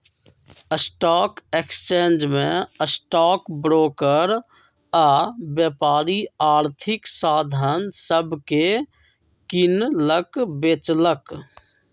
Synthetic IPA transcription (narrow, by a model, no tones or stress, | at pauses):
əsʈɔːkekst͡ʃeːnd͡ʒmẽəsʈɔːkbɾoːkəɾ | aːbjəpaːɾiaːɾt̪ʰɪksaːd̪ʱənsəbʱke | kɪnləkbet͡ʃlək